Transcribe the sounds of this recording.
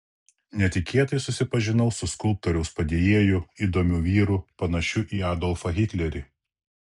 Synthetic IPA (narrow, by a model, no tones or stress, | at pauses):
nʲɛt̪ʲɪkʲeːt̪ɐɪsʊsʲɪpɐʒʲɪnɐʊsʊskʊlˠp̚t̪ɔɾʲɛʊspɐd̪ʲeːjeːjʊiːd̪oːmʲuːʋʲiːɾupɐnɐʃʲʊʔiːɑːd̪ɔlˠfɐɣʲɪt̪ʲlʲɛɾʲi